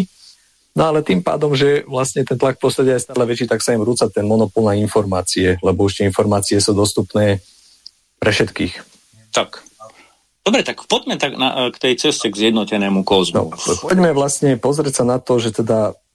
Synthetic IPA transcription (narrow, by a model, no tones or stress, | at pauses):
nɔalɛt̪iːmpa̰ːd̪ɔmʒɛʋlasɲɛt̪ɛnt̪lak̚pɾɔst̪ɾaɛɟajɛst̪aːlɛʋɛt͡ʃiːt̪aksaɛmɾuːt͡sat̪ɛnmɔnɔpɔlnainfɔɾmaːt͡siɛlɛbɔuʃt̪ɛinfɔɾmaːt͡siɛsuːd̪ɔst̪upnɛː | pɾɛfʃɛt̪kiːx | t̪ak | d̪̥ɔbɾɛt̪akpɔɟmɛt̪aɡna̰kt̪ɛjt͡sɛscɛɡzjɛd̪nɔcɛnɛːmukɔːznɔ̰pɔɟmɛʋlasɲɛpɔzɾɛcsanat̪ɔʒɛt̪ɛd̪a